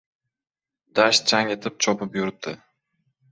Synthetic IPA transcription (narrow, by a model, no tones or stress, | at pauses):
d̪aʃt͡ʃʰaŋe̞t̪ʰɪp̚t͡ʃʰɒpɪpjʊɾɪp̚d̪ɪ